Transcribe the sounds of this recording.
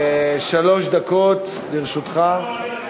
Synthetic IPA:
ʃalo̞ʃd̪akot̪ | diʁʃut̪χa

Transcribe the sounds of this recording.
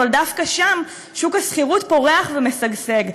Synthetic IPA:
ald̪afkaʃam | ʃukasχiʁutpo̞ʁe̞aχvemesaɡse̞ɡ

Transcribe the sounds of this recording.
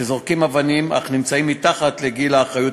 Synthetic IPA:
ezoʁkimavanima̰χnimt͡saimːit̪aχat̪leɡilaːχʁajut

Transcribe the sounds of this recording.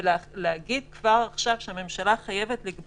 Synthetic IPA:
lehaɡid̪̚kvaʁaχʃavʃeame̞mʃalaχaje̞vetliɡ

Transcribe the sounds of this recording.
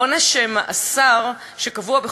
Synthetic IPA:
onaʃema̰ʔasaʁ | ʃe̞kavuabe

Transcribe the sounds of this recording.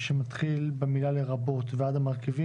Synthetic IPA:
ʃemat̪χilbemilaleʁabo̞t̪vead̪amaʁkivi

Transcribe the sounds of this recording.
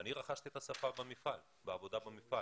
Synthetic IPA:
aniʁaχaʃt̪iet̪asafabemifal | beavo̞d̪abemifa

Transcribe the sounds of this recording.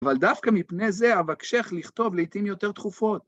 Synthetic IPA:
avald̪afkamipne̞ze̞avakʃe̞χliχt̪o̞vleit̪imjo̞t̪e̞ʁt̪χufo̞t̪̚

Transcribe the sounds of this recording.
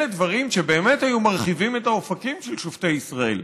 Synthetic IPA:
edvaʁimʃe̞be̞ːme̞thajumaʁχivimetaofakimʃelʃofte̞jisʁae̞̰l

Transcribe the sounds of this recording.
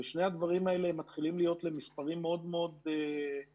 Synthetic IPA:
eʃne̞ad̪vaʁimae̞leemːat̪χilimlijo̞t̪le̞mispaʁimːeo̞d̪meo̞d̪e

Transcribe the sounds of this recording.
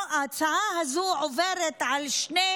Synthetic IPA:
at͡saaɦazuʕoveɾet̪ʕalʃne

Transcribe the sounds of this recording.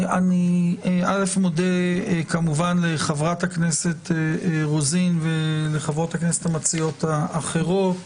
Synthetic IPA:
aniʔale̞fmodekamuvanle̞χavʁathaknese̞t̪eʁozinveleχavʁo̞taknesethamat͡sijo̞taːχe̞ʁo̞t

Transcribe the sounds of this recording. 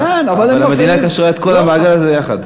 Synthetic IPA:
kenavalalamed̪inakaʃʁaet̪̚ko̞lamaːɡalazejaχa̰d

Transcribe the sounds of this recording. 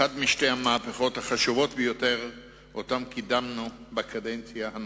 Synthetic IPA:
admiʃte̞hamaːpeχo̞thaχaʃuvo̞t̪bejo̞te̞ʁ | otamkidamnubekʰade̞nt͡sjahan

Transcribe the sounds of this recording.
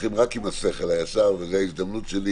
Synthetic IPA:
imʁakimaseχelajasaʁvezeaizd̪amnutʃeli

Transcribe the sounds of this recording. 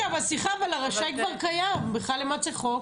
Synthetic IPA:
avasiχavalaʁaʃakvaʁkajambeχalemat͡seχok

